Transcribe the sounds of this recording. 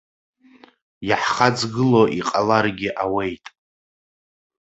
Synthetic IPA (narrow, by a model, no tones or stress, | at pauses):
jaħχad͡zɡɨloʔiqʼalarɡʲɪʔawe̞jtʼ